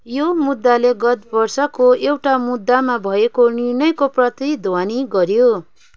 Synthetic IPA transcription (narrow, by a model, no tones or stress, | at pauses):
jomud̪ːaleɡʌt̪̚bʌrsʌkoewʈamud̪ːamabʱʌekonirnʌjkoprʌt̪id̪ʱwaniɡʌɾjo